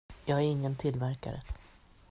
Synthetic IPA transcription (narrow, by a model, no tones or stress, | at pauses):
jɑːɡæɾɪŋːənt̪ʰɪlvæɾka̰ɾə̰